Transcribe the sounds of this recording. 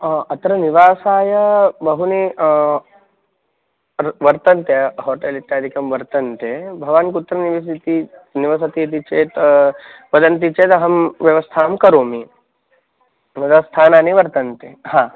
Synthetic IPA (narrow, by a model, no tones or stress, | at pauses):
ɐt̪ɾɐniʋaːsaːjɐbɐɦuni | ʋɐɾt̪ɐnt̪jɐɦoːʈeːlit̪jaːd̪ʱikɐmʋɐɾt̪ɐnt̪ebʱɐʋaːnkut̪ɾɐniʋis̬it̪iniʋɐs̬ɐt̪iɐt̪̬it͡ʃeːt̪ | ʋɐd̪ɐnt̪it͡ʃeːt̪ɐɦɐmʋjɐʋɐst̪ʰaːmkɐɾoːmi | ʋɐd̪ɐst̪ʰaːnaːniʋɐɾt̪ɐnt̪eːhãː